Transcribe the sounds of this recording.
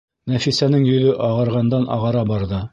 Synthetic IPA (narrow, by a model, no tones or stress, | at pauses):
næfisænɘŋjɵ̆ðɵʔɑʁɤ̆ɾʁɑnd̪ɑnʔɑ̰ʁɑɾɑbɑɾðɤ